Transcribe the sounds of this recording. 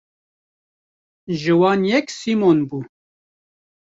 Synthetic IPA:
ʒɨwɑːnjɛksimonbuː

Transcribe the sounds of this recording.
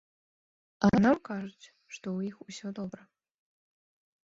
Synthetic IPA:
anamkaʐɨt͡sʲ | ʂt̪owixusʲɔd̪ɔbɾɐ

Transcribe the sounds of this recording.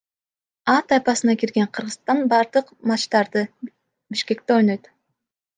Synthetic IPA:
ɑt̪ɑjpɑsɯnɑkiɾɡe̞ɴqʰɯɾʁɯt̪ɑnbɑɾd̪ɯqmɑt͡ʃt̪ɑɾd̪ɯ | biʃke̞k̚t̪e̞o̞jno̞jt̪

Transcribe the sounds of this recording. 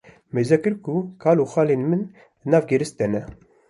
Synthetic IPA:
mezɛkɨɾkukʰaːloːxaːleːnmɨn | nɑːvɡeɾɨst̪̚d̪ɛnɛ

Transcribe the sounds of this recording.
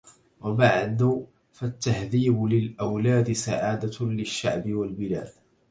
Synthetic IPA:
wabaʕd̪ʊ | fat̪ːahðiːbʊlɪlʔawlaːd̪ɪsaʕaːd̪alɪʃːa̰ʕbɪwalbɪla̰ːd̪

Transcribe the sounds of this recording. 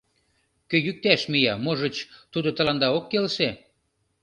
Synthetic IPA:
køjyk̚t̪æʃmijɑmoʒə̆t͡ɕt̪ud̪ŏt̪ə̆lɑnd̪ɑokːelʃe

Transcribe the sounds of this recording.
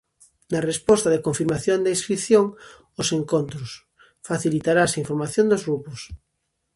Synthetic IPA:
narespost̪aðekoɱfiɾmaθjond̪aiskɾiθjoŋ | oseŋkont̪ɾos | faθilit̪aɾasiɱfoɾmaθjõnd̪ozɣɾupos

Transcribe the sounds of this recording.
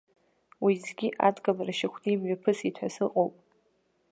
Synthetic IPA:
wizɡʲiʔa̰dɡalaraʃɪkʷʰnɨmɥapʰɨsitʷʰasɨqʼowpʼ

